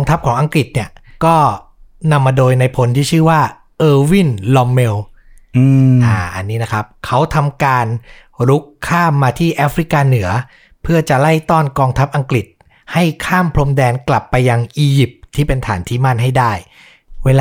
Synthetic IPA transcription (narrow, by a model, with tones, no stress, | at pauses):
ŋt̪ʰa˦˥p̚kʰɔː˩˦ŋʔa˧ŋkɾi˨˩t̪̚ni˥˩ɐkɔː˥˩ | na˧mːaː˧doː˧jna˧jpʰo˧˦nt̪ʰiː˥˩t͡ɕʰɯː˥˩waː˥˩ | ʔɤː˧wi˥˩nlɔ˧mːe˧w | ɯː˧ʔaː˨˧˩ʔa̰˧nːiː˦˥na˦˥kʰɾa˦˥p̚kʰa˦˥wt̪ʰa˧mkaː˧n | ɾu˦˥kʰːaː˥˩mːaː˧t̪ʰiː˥˩ʔaː˦˥fɾi˦˥kaː˧nɯ˩˦ɐ | pʰɯ˥˩ɐt͡ɕa˨˩la˥˩jt̪ɔː˥˩nkɔː˧ŋt̪ʰa˦˥p̚ʔa˧ŋkɾi˨˩t̪̚ | ha˥˩jkʰaː˥˩mpʰlo˧mdɛː˧nkla˨˩pːa˧jːa˧ŋʔiː˧ji˨˩p̚t̪ʰːiː˥˩pe˧nt̪ʰa̰ː˩˦nt̪ʰiː˥˩ma˥˩nɦa˥˩jdaː˥˩j | weː˧l